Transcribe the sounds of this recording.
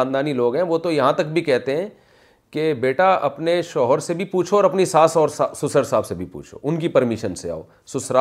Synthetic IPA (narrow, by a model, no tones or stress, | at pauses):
aːnd̪aːniloːɡɦɛ̃ʋot̪ojɐɦãt̪ɐkbʱikɛɦt̪eɦɛ̃ː | kebeːʈaʔɐpneʃɔːɦəɾsebʱipuːt͡ʃʰoːɾɐpnisaːsɔːɾsasʊsəɾsaːbsebʱipṵːt͡ʃʰo̰ʔʊnkipɐɾmɪʃənsea̰ːo̰ː | sʊsɾa